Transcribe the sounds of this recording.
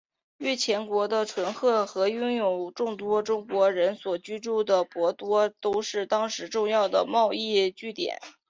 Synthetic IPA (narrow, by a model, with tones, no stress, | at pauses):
ɥɛ˥˩t͡ɕʰjɛ˧˥nkwɔ˧˥d̪ə˧ʈ͡ʂʰwə˧˥nxɤ˥˩xɤ˧˥ʊ˥ŋjo˨˩ʊʈ͡ʂʊ˥˩ŋt̪wɔ˥ʈ͡ʂʊ˥ŋkwɔ˧˥ɻə˧˥nswɔ˨˩t͡ɕy˥ʈ͡ʂu˥˩d̪ə˩pwɔ˧˥t̪wɔ˥t̪o˥ʊʂɻ̩˥˩t̪ɑ˥ŋʂɻ̩˧˥ʈ͡ʂʊ˥˧ŋjɑ˥˩ʊd̪ə̰˩mɑ˥˧ʊi˥˧t͡ɕy˥˩t̪jɛ̰˨˩˦n